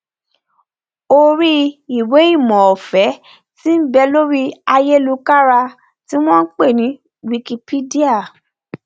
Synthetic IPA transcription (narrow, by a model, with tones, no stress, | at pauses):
o˦ɾi˦i˨we˨˦i˦˨mɔ̃˨ɔ˨fɛ˨˦ | ti˦bɛ˧lo˦ɾi˦a˧je˦lu˧ka˦ɾa˧ | ti˦w̃ɔ̃˦n̩˦k͡pe˦˨nĩ˨˦ | wi˧ki˧pi˦di˦a˦˨